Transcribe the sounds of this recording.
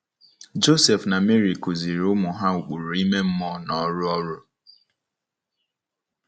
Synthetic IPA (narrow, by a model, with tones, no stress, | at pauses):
d͡ʒo˦se˨fna˨me˦ɾi˨ku˨zi˨ɾʊ˦mʊ˨ɦa˦u˨k͡pu˨ɾu˨i˦me˦m̩˦mɔ˦nɔ˨˦ɾʊ˦ɔ˦ɾʊ˦